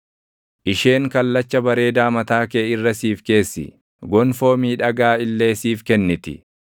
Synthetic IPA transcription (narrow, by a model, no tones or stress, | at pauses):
ʔɪʃe̞ːŋkɐlːɐt͡ʃːɐbɐɾe̞ːd̪aːmɐt̪aːkeːɪrːɐsiːfke̞ːsːɪ̰ | ɡɔnfo̞ːmiːᶑɐɡaːɪlːe̞ːsiːfkɛnːɪt̪ɪ̰